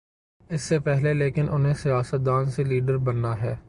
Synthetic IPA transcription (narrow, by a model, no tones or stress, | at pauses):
ɪsːepɛɦleleːkɪnʔʊnɦẽsijaːsət̪̚d̪aːnseliːɖəɾbɐnːaɦɛː